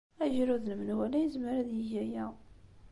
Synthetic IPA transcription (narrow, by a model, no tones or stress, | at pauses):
æʒɾuðnmənwælæjəzməɾæðjəʝæjæ